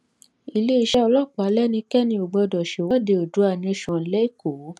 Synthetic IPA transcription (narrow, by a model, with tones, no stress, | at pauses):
i˧le˦i˧ʃɛ˦ɔ˧lɔ˦˨k͡pa˨˦lɛ˦nĩ˧kɛ˦nĩ˧o˨ɡ͡bɔ˧dɔ˨ʃe˨wɔ˨˦de˧˨o˨du˨˦a˦˨nĩ˧˨ʃɔ̃˨˧lɛ˦i˦˨ko˨˦